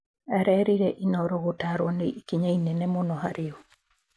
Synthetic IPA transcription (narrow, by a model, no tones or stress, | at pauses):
ɛɾɛɾiɾɛʔinɔɾɔɣotaɾwɔneikiɲainɛnɛmɔnɔhaɾɪɔ